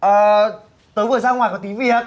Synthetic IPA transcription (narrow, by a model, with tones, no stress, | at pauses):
ʔəː˨˩ | t̪əː˨˦jvə˨˩zaː˧ŋaː˨˩jkɔ˧˩t̪i˨˦vi˧˩ə˨˩t̚